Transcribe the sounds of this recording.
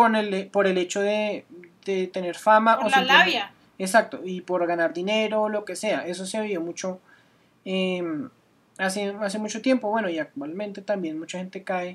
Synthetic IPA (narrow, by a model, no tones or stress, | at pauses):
onelepoɾele̞t͡ʃoðed̪̥et̪eneɾfamaʔosioe | esak̚t̪oipoɾɣanaɾd̪ineɾolokeseaʔes̬oseaβiomut͡ʃo | e | aseas̬emut͡ʃot̪je̞mpoβwe̞noiak̚t̪walmẽnt̪e̞t̪ambje̞nmut͡ʃaxe̞nt̪e̞kae